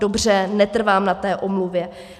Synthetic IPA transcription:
obr̝ɛnɛt̪r̩vaːmnat̪ɛːʔomluvjɛ

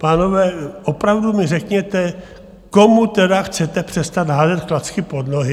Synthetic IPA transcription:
paːno̞vɛːʔopɾavdumɪrɛkɲɛt̪ɛ | ko̞mut̪ɛdaxt͡sɛt̪ɛpr̝̥ɛst̪at̪ɦaːzɛt̪klat͡skɪpo̞d̪noɦɪ

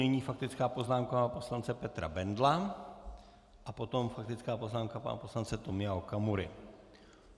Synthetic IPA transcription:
ɛɲiːfak̚t̪ɪt͡skaːpoznaːmkapo̞slant͡sɛpɛt̪ɾa̰bɛnd̪la | ʔapot̪o̞mfak̚t̪ɪt͡skaːpoznaːmkapa̰na̰poslant͡sɛt̪omɪaɦokamuɾɪ

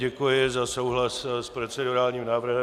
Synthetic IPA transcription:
ɛkujɪzaso̞wɦlasspɾot͡sɛdoɾaːlɲiːmnaːvr̩ɦɛ

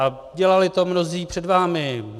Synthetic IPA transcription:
a | ɟɛlalɪt̪o̞mno̞ziːpr̝̥ɛdvaːmɪ

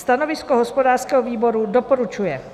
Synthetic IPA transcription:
st̪anovɪskɔɦospodaːɾrskɛɦɔviːboɾudopoɾut͡ʃujɛ

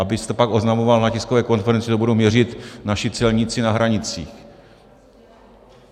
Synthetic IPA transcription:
abɪst̪ɛpakʔo̞znamovalnacɪskovɛːko̞nfɛɾɛnt͡sɪt̪obudowmɲɛrɪt̪naʃɪt͡sɛlɲɪt͡sɪnaɦɾaɲɪt͡sḭːx

